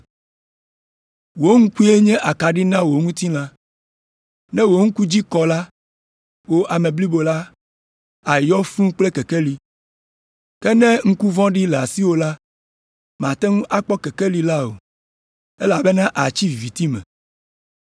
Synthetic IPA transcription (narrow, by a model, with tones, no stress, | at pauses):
wo˦ŋũ˦ku˦e˦ɲɛ̃˦ʔa˨ka˨ɖi˦nã˦wo˨ŋũ˦t̪i˦lã˦ | nɛ̃˦wo˨˦ŋ̩̃˦ku˦d͡ʑi˦kɔ˨la˦ | wo˦ʔa˨mɛ̃˨bli˦bo˨la˦ | a˨jɔ˦fũ˦k͡ple˦kɛ˨kɛ˦li˨ | kɛ˦nɛ̃˦ŋ̩˦ku˦vɔ̃˦ɖi˦lɛ˨a˨si˦wo˦la˦ | m˨ã˨t̪ɛ˦ŋũ˦ʔa˦k͡pɔ˦kɛ˨kɛ˦li˨la˦o̰˨ | e˦la˨be˦nã˦ʔa˨t͡ɕi˦˨vi˨t̪i˦mɛ̰̃˨